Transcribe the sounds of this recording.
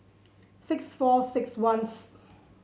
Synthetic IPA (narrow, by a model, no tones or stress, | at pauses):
sɪksfɔsɪkswãns